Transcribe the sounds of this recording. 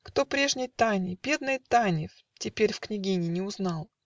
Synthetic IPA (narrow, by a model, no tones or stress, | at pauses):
kt̪o̞pɾʲe̞ʐnʲɪjt̪anʲɪb̥ʲe̞d̪nəjt̪anʲɪf | tʲɪpʲeɾʲfknʲɪɡʲinʲɪnʲɪʊznalˠ